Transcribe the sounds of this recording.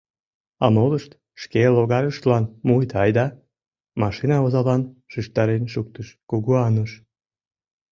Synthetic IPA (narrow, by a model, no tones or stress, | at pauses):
ɑ̰moləʃt̪ | ʃkeloɣɑɾəʃt̪lɑnmujt̪ɑjd̪ɑ | mɑʃinɑozɑlɑnʃyʃt̪ɑɾenʃukt̪əʃkuɣuɑnəʃ